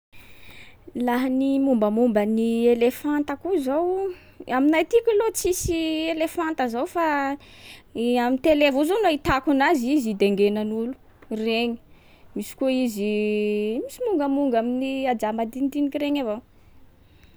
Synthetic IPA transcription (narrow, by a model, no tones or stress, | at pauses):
laɦənimumbəmumbənielefant̪əkuzow | aminajt̪ikʲilot͡sisielefant̪əzowfa | amint̪elevuzonoit̪akunazizid̪eŋɡenanulu̥ | reɲi̥ | misi̥kuizi | misimuŋɡəmuŋɡaminiad͡zambad̪ind̪inikʲireɲavow